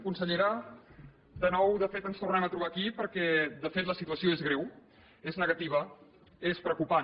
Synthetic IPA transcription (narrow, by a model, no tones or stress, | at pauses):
kunsəʎəɾa | d̪ənɔwðəfet̪ənst̪urnɛmət̪ɾuβakipəɾkɛd̪əfet̪ləsit̪uəsioezɣɾɛw | eznəɣət̪iβ̞ə | espɾəkupa